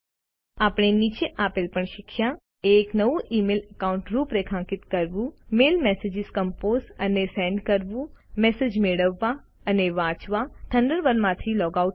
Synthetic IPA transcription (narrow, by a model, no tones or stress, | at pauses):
aːpɽ̃eniːt͡ʃeʔaːpɪlpəɳʃɪkʰja | eːknɐʋuʔiːmeːləkaːʊ̃ɳʈɾuːpɾekʰãːŋkɪt̪kɐɾʋũmeːlmɛːsed͡ʒɪzkɐmpoːzɐnesɛ̃ːɳɖkəɾʋũmɛːsed͡ʒmeːɽəʋːa | ɐneʋãːt͡ʃʋat̪ʰɐ̃ɳɖəɾʋənmãːt̪ʰilɔːɡaːuʈ